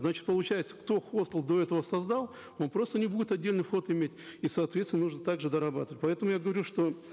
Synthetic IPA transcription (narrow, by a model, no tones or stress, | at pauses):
znat͡ɕɪ̥t̪̚pəlˠʊt͡ɕæjɪt̪sə̥kt̪o̞xo̞st̪əlˠd̪o̞ɛt̪əvəsɐzd̪alˠ | o̞npɾo̞st̪ənʲɪbudʲɪt̪ɐdʲːelʲnɨjfxo̞t̪ɪmʲetʲisɐːt̪vʲesʲɪnnuʐnət̪aɡʐɨd̪əɾɐbat̪əvətʲpɐɛt̪əmʊjaɡəvɐɾʲuʂt̪o̞